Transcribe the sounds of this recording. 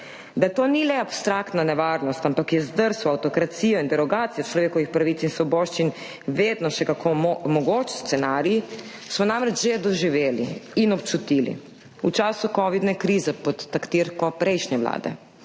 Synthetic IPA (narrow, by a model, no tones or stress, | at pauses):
d̪at̪oːnilɛapst̪ɾakt̪nanɛʋaːɾnɔst̪ampakjɛzd̪əɾsɔawt̪okɾat̪siːjoind̪ɛɾɔɡaːt̪sijat͡ʃlɔʋeːkɔʋixpɾaʋiːt̪sinsʋɔboːʃt͡ʃin | ʋeːd̪nɔʃɛkakʰomomɔɡoːt͡ʃst̪ɛnaːɾiji | smɔnaːmɾɛd͡ʒʒɛd̪ɔʒiʋeːlḭinɔpt͡ʃut̪iːlḭ | ut͡ʃaːsukoʋid̪nɛkɾiːzɛpɔt̪ːakt̪iːɾkɔpɾejʃɲɛʋla̰ːd̪ɛ̰